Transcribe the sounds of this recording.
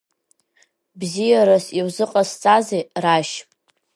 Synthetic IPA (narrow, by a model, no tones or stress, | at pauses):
bzijaɾasiwzɨqʼast͡sʼazeraʃʼ